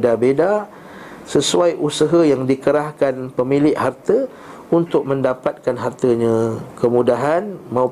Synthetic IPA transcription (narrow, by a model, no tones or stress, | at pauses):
dabeda | səsuajʔusəɦəjaŋdikəɾahkanpəmilɪʔhart̪ə | unt̪ʊk̚mə̃ndapat̪̚kanɦart̪əɲãkəmudaɦanmãu